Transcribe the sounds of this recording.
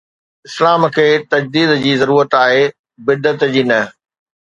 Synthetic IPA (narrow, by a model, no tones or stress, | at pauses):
ɪslaːmkʰeːt̪ɐd͡ʑd̪iːd̪d͡ʑiːzɐɾuːɾət̪aːɦeː | bɪd̪ːət̪d͡ʑiːnɐ